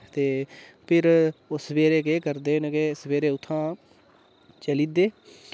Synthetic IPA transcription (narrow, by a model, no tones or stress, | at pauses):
t̪eː | pʰɪɾʊsbeːɾeːkeːkəɾd̪eːnkeːsbeːɾeːʊt̪ʰːãː | t͡ʃəliːd̪eː